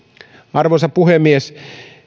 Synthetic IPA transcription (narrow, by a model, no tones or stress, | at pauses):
ɑrʋosɑppuhemːies